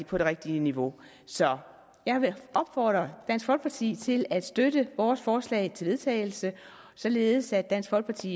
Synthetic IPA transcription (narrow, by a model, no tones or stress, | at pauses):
ipʰɒ̽d̥e̝ʁeɡ̥̚d̥iəniʋo̝ | sɒ̽ | jɑ̈ɪʋeʔɒ̽b̥fɒ̰ːd̥ʁɐd̥æn̰sɡ̥fɒ̽lɡ̥pʰɑ̈t͡sʰḭːt͡sʰe̝læd̥sd̥ødəʋɒːsfɒːslɛ̰ɪt͡sʰe̝lʋe̝ðˠt͡sʰɛ̰ɪl̩sə | sɒ̽le̝ːð̞ˠsæd̥ːæn̰sɡ̥fɒ̽lɡ̥pʰɑ̈t͡sʰḭː